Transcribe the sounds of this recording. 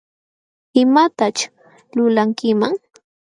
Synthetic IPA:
ɪmat̪at͡ʃ | lʊlaŋkɪmaŋ

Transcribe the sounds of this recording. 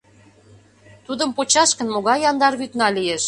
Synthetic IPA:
t̪ud̪əmpot͡ɕɑʃkə̆nmoɣɑjːɑnd̪ɑrβyt̪nɑlijeʃ

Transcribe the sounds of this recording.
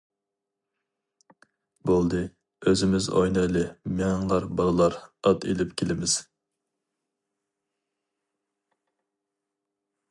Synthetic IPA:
bolˠd̪ɨ | øzɪmɪzo̰jnɛlɪmɛŋlˠɑɾbɑlˠɨlˠɑɾɑt̪ḛlɪpkʲʰelɪmɪz̥

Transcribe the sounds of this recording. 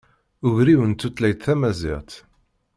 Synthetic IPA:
ʊʝɾiwənt̪ːut̪læjt̪θæmæzḭʁt̪

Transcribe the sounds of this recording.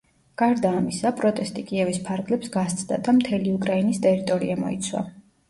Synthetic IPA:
ɡ̥aɾd̪aːmisapʼɾɔt̪ʼɛst̪ʼikʼiɛvispʰaɾɡlɛpsɡast̪sʰʼd̪a̰d̪amt̪ʰɛliukʼɾainist̪ʼɛɾit̪ʼɔɾḭamɔ̰ḭt̪sʰwa̰

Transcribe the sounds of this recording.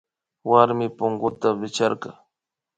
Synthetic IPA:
waɾmɪpʊŋɢʊt̪abɪt͡ʃaɾkɑ

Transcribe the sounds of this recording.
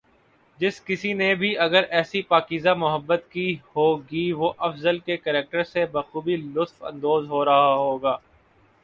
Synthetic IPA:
d͡ʒɪskɪsinebʱiʔɐɡəɾʔɛːsipaːkiːzamʊɦəbːət̪kihoːɡiʋoʔɐfzəlkekəɾeːk̚ʈəɾsebɐxuːbilʊt̪fɐ̰̃nd̪oːzɦoːɾɐɦaɦoːɡaː

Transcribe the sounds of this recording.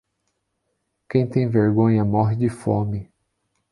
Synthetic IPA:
kẽj̃t̪ẽj̃veɾɡõɲɐmɔɦɪd͡ʒɪfõmɪ

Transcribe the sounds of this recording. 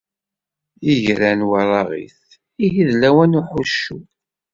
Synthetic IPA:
iʝɾænwɑɾˤɑʁḭθ | iʝiðlæwænuħuʃːu

